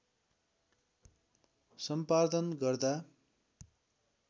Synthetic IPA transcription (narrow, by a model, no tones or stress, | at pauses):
sʌmpad̪ʌnɡʌrd̪a